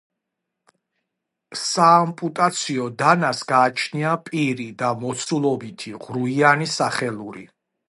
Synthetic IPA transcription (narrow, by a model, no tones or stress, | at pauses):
saːmpʼut̪ʼat̪sʰiɔd̪anasɡaːt͡ʃʰniapʼiɾid̪amɔt̪sʰulˠɔbit̪ʰiʁɾuianisaχɛlˠuɾḭ